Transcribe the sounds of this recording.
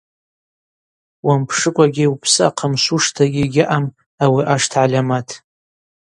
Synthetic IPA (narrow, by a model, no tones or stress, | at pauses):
wampʰʂɨkʷʼaɡʲɪwpʰsɨa̰qʰamsuʂtʰaɡʲiɡʲɪʔam | awiʔaʂtʰʕalʲamatʰ